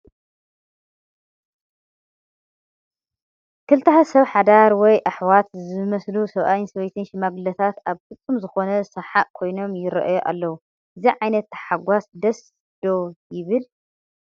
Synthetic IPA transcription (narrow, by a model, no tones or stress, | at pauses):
kʰɨlt̪ʰɐħɐsɐβħad̪aɾwɔjʔaħwat̪zɨmɐslusɐβʔajɪnsɐβɐjt̪ʰɨnʃimaɡlɐt̪ʰat̪aβfɨt͡sʼːumzɨxo̞nɐsɐħaʔkʰo̞jno̞mjɪɾɐ̰ʔjoʔa̰lːɐwu | ʔɨziʕajnɐt̪ːħaɡʷasd̪ɐs | d̪̥o̞jɪβɨl